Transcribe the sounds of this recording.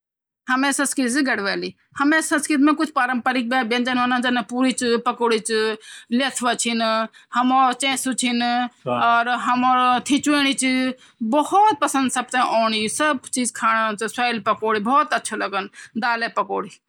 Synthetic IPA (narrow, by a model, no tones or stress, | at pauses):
həmẽːsə̃skit̪ziɡɐɽʋeːliː | həmẽːsə̃skit̪mẽːkʊt͡ʃʰpaːɾəmpaːɾik̚baːbẽnd͡ʒənonãːnd͡ʒanapuːɾiːt͡ʃpəkoːɽiːt͡ʃlet̪ʰʋət͡ʃʰinhəmoːt͡ʃẽːsut͡ʃʰinɔːɾɦɐmoːɾt̪ʰit͡ʃueːɽ̃iːt͡ʃ | bɔhɔːt̪̚pəsə̃nd̪səb̚t̪ãʔoːɳ̃isəb̚t͡ʃiːzkʰaːɽãt͡ʃsaːɪlpəkoːɽiːbɔːt̪ətːʃʰoləɡənd̪aːleːpəkoːɽiː